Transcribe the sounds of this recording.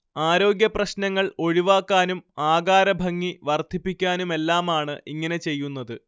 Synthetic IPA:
aːɾo̞ːɡʲjɐprɐɕnɐŋːɐɭo̞ɻiʋaːkːaːnumaːɡaːɾɐbʱɐŋːiʋɐrd̪ʱipːikʲːaːnume̞lːaːmaːɳɨʔiŋːɐnet͡ɕe̞jːun̪ːɐðɨ

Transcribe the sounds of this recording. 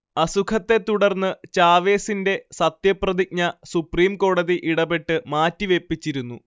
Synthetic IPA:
ɐsukʰɐt̪ːe̞t̪uɽɐrnːɨt͡ɕaːʋe̞ːsinde̞sɐt̪jɐprɐðik̚ɲɐsupriːmko̞ːɽɐðiʔiɽɐbe̞ʈːɨmaːtːiʋe̞pːit͡ɕːiɾunːu

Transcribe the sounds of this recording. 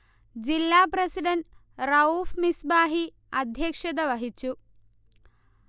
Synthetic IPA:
d͡ʑilːaːpɾɐsiɖɐnʈ | ɾɐuːfmisbaːɦi | ɐd̪ʱjɐkʂɐd̪ɐʋɐɦit͡ɕu

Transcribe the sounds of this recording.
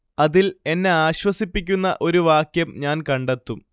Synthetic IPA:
ɐðile̞nːe̞aːɕwɐsipːikʲːunːɐ̰ʔo̞ɾuʋaːkjɐmɲaːnkɐɳɖet̪ːum

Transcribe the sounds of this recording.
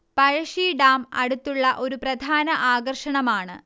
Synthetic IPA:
pɐɻɐʂiɖaːmɐ̰ɽut̪ːuɭːɐʔo̞ɾuprɐd̪ʱaːnɐʔaːɡɐrʂɐɳɐmaːɳɨ̰

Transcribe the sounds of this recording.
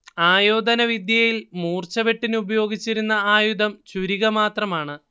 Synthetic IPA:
aːjoːd̪ɐnɐʋid̪jɐjilmuːrt͡ɕɐʋeʈːinɨubɐjo̞ːɡit͡ɕːiɾunːɐaːjud̪ʱɐmt͡ɕuɾiɣɐmaːt̪rɐmaːɳɨ

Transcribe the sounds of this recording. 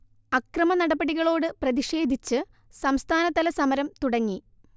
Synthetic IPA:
ɐkrɐmɐnɐɽɐbɐɽiɣɐɭo̞ːɽɨprɐðiʂe̞ːd̪ʱit͡ɕːɨ | sɐmst̪ʰaːnɐt̪ɐlɐsɐmɐɾɐmt̪uɽɐŋːi

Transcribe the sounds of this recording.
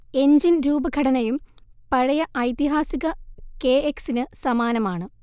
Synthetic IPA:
e̞ɲd͡ʑinɾuːbɐɡʱɐɽɐnɐjumpɐɻɐjɐʔɐjt̪iɦaːsiɣɐke̞ːeksinɨsɐmaːnɐmaːɳɨ

